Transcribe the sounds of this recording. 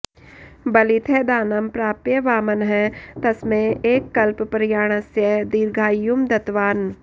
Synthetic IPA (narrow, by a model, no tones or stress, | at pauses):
bɐlɪt̪ʰɛd̪aːnɐmpɾaːpjəʋaːmənɦɛt̪ɐsmẽeːkːɐlppɾjaːɽ̃əsjəd̪iːɾɡʱaːjumd̪ɐt̪ʋaːn